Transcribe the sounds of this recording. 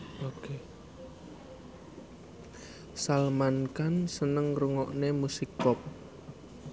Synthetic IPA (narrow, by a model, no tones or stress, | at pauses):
oke | salmankansənəŋruŋɔʔnemusikːɔp̚